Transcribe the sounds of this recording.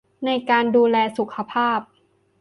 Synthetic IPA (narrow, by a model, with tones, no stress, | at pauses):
na˧jkaː˧nduː˧lɛː˧su˨˩˦kʰa˧pʰaː˥˩p̚